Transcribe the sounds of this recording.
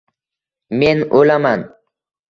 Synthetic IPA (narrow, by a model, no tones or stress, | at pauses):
menolaman